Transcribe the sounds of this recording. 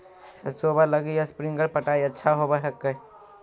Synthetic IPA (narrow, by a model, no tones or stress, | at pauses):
səsobaləɡijaspɾiŋɡəɽpəʈaiətːʃʰaɦobəɦəkːə